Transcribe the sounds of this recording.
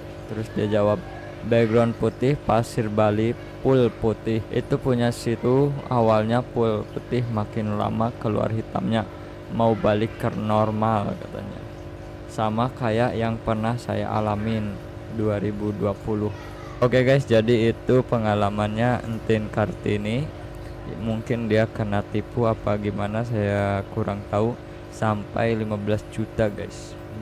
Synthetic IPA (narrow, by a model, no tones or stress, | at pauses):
t̪əɾʊsdiad͡ʒawap̚ | bɛɡɾɔnput̪ɪhpasirbali | pʊlput̪ɪhḭt̪upuɲasit̪ua̰walɲapʊlput̪ɪhmakɪnla̰makəlṵa̰rɦit̪a̰mɲa | maubalɪkːərnɔrmalkat̪a̰ɲa̰ | samakajaʔjaŋpərnahsa̰ja̰ʔa̰lamɪn | duaɾibuduapulʊh | okeɡajsd͡ʒadiːt̪upəŋalamanɲaə̰nt̪inkart̪ini | muŋkɪndiakənat̪ipuapaɡimanas̬ajakuɾaŋt̪au | sampa̰jlimabəlasd͡ʒut̪aɡajs